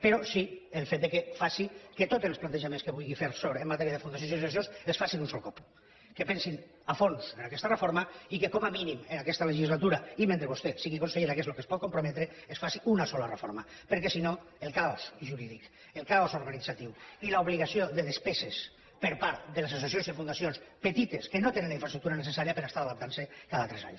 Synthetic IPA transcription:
peɾɔsielˠfet̪̚d̪ekefasiket̪ot̪enlsplant̪eʒamenskeβujɣifeɾsoɾemːat̪ɛɾiaðefund̪asjonsiss̬jonsesfasinunsɔlˠkɔp | kepɛnsin | afonsenakɛst̪arefoɾmaikekɔmaminimenakɛst̪aleʒizlat̪uɾaimẽnt̪ɾeβost̪esiɣikonseʎeɾakezlokespɔt̪̚kompɾomɛt̪ɾeesfasiunasɔlarefoɾma | peɾkesino | elˠkaosʒuɾiðik | elˠkaozoɾɣanid͡zat̪iwilauβliɣasioðelespeses | peɾpaɾt̪d̪eles̬as̬esionzefunasionspet̪it̪eskenot̪enẽnlaiɱfɾastɾuk̚t̪uɾanesesaɾiapeɾast̪aɾaðap̚t̪ansekaðat̪ɾɛza̰ɲ

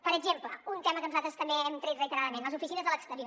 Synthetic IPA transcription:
pəɾəɡʒempləunt̪ɛmɐkəmsat̪əst̪əmbeɛmt̪ɾet̪rəit̪əɾaðəmẽnəzufisinɐzðələkst̪əɾioɾ

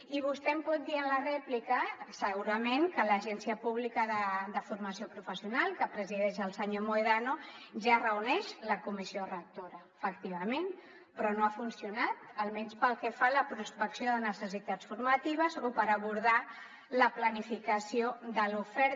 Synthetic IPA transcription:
iβ̞ust̪ɛmpɔt̪̚d̪iənlərɛplikəsəɣuɾəmeŋkələʒɛnsiəpuβlikəðəd̪əfuɾməsiopɾufəsiunalˠkəpɾəziðɛʃ̬əlˠsəɲomoeðanoʒarəunɛʃləkumisiorək̚t̪oɾəːfəkt̪iβ̞əmen | pɾɔnoafunsiunat̪̚əlˠmɛnspəlˠkɛfaləpɾuspəksioðənəsəsit̪at͡sfuɾmət̪iβ̞əzopəɾəβuɾð̞a | ləplənifikəsiod̪əlufɛɾ

